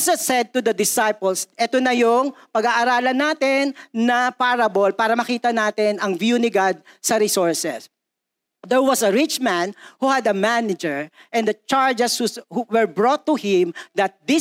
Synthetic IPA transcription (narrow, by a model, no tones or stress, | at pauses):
sɐt̪sɛd̪̚t̪ʊd̪ɐd̪ɪsajpɔlsʔɛt̪onɐjʊŋpɐɡaːʔɐɾaːlɐnaːt̪ɪnːɐpaɾɐbolpaːɾɐmɐkiːt̪ɐnaːt̪ɪnɐŋvjunɪɡad̪̚sɐɾɪsɔɹsɛs | d̪ɛɹwɐsɐɹɪt͡ʃmæ̃nhuhɐd̪ɐmanɪd͡ʒɛɹʔɛ̃nd̪ɐt͡ʃaɹd͡ʒɛshuhwɛɹbɹot̪ːʊhɪ̃md̪ɐt̪̚d̪ɪ